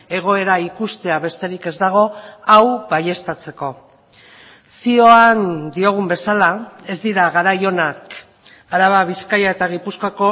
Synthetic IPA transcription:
e̞ɣ̞o̞e̞ɾaikust̪e̞aβe̞st̪e̞ɾike̞zd̪aɣ̞o̞awβaje̞st̪at͡se̞ko̞ | sio̞and̪io̞ɣ̞umbe̞salae̞zd̪iɾaɣaɾajo̞nak | aɾaβaβ̞iskajae̞t̪aɣ̞ipuskako̞

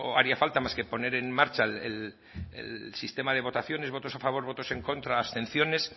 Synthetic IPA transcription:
oaɾiafalt̪amaske̞po̞ne̞ɾe̞nmaɾt͡ʃalḛl | ḛlsist̪e̞maðe̞β̞o̞t̪aθjo̞neβo̞t̪o̞safaβ̞o̞ɾβo̞t̪o̞se̞ŋko̞nt̪ɾaːst̪e̞nθjo̞ne̞s

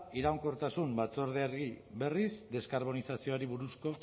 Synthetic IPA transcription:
iɾawŋko̞ɾt̪asumbat͡so̞ɾðeaɾɣiβe̞rizd̪e̞skaɾβ̞onisasioaɾiβuɾusko̞

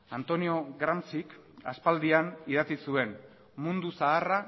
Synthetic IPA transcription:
ant̪o̞nio̞ɣɾamsik | a̰spald̪ianið̞at͡sisue̞n | mund̪usaːra

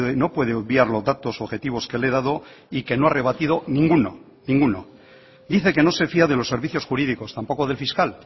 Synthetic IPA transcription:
ðeno̞pwe̞ð̞eoðβjaɾlozðat̪o̞soβxe̞t̪iβ̞o̞skele̞ð̞aðo̞ | ike̞noare̞β̞at̪iðo̞nĩŋɡuno | nĩŋɡuno | d̪iθe̞ke̞no̞se̞fiaðe̞lo̞sːe̞ɾβiθjo̞sxuɾiðiko̞st̪ampo̞ko̞ð̞e̞lfiskal

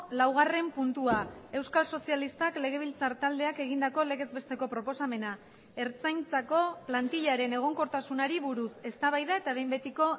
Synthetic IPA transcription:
lawɣ̞are̞mpunt̪uae̞wskalso̞sialist̪akle̞ɣ̞e̞βilt͡saɾt̪ald̪e̞ake̞ɣ̞ind̪ako̞le̞ɣ̞e̞zbe̞st̪e̞ko̞pɾo̞po̞same̞na | e̞ɾt͡sajnt͡sako̞plant̪iʎaɾe̞ne̞ɣ̞o̞ŋko̞ɾt̪asunaɾiβuɾuse̞st̪aβajðae̞t̪aβ̞e̞jmbe̞t̪iko̞

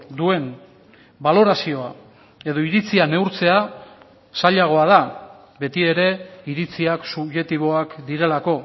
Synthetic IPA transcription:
d̪ue̞n | balo̞ɾasio̞a | e̞ðo̞iɾit͡siane̞uɾt͡se̞a | saʎaɣ̞o̞að̞a | be̞t̪ie̞ɾe̞iɾit͡siaksuβʝe̞t̪iβo̞akd̪iɾe̞lako̞

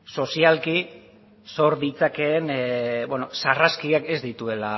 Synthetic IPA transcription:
so̞sialki | so̞ɾðit͡sake̞ːnbwenosaraskiake̞zd̪it̪ue̞la

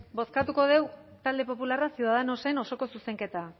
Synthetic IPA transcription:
bo̞skat̪uko̞ð̞e̞w | t̪ald̪e̞p̬o̞pularasjuðaðeno̞se̞no̞so̞ko̞suse̞ŋke̞t̪a

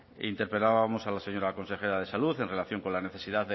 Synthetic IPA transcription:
ḭnt̪e̞ɾpelaβamo̞salase̞ɲo̞ɾako̞nse̞xe̞ɾað̞e̞saluθe̞nrelaθjo̞ŋko̞nlane̞θe̞siðaðe

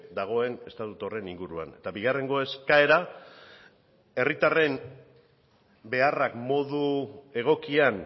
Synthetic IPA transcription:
d̪aɣ̞o̞e̞ne̞st̪at̪ut̪o̞re̞niŋɡuɾua̰ne̞t̪abiɣ̞are̞ŋɡo̞e̞skae̞ɾa | e̞rit̪are̞m | be̞arakmo̞ðue̞ɣ̞o̞kian

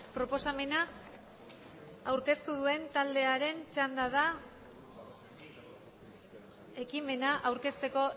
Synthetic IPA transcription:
pɾo̞po̞same̞na | wɾke̞st̪uð̞ue̞nt̪ald̪e̞aɾe̞nt͡ʃand̪að̞a | e̞kime̞naʔawɾke̞st̪e̞ko̞

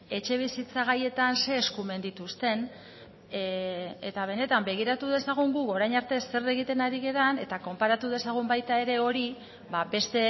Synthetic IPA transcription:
e̞t͡ʃe̞β̞isit͡saɣ̞aje̞t̪anse̞ːskume̞nd̪it̪ust̪e̞n | e̞t̪aβ̞e̞ne̞t̪ambe̞ɣ̞iɾat̪uð̞e̞saɣ̞uŋɡuko̞ɾajɲaɾt̪e̞sːe̞re̞ɣ̞it̪e̞naɾiɣe̞ɾane̞t̪ako̞mpaɾat̪uð̞e̞saɣ̞umbajt̪ae̞ɾe̞o̞ɾi | babe̞st̪e̞

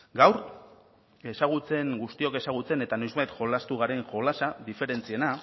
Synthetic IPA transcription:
ɡawɾ | e̞saɣ̞ut͡se̞ŋɡust̪io̞ke̞saɣ̞ut͡se̞ne̞t̪ano̞jzβajt̪ʝo̞last̪uɣaɾe̞ŋʝo̞lasaðife̞ɾe̞nt͡sie̞na

